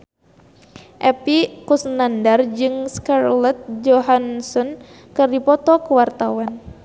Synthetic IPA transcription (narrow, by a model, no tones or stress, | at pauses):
ʔɛpikusnandard͡ʒɨŋskarlɛt̪̚d͡ʒɔɦansɔn | kɨrdipɔt̪ɔkəwart̪awan